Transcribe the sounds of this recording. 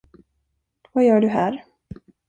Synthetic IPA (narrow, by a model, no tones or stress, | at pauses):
vajœːɖɵɦæːɾ